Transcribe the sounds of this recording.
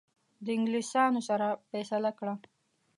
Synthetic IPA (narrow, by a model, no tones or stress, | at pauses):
d̪əɪŋɡlisɑnosaɾafɛsalakɽa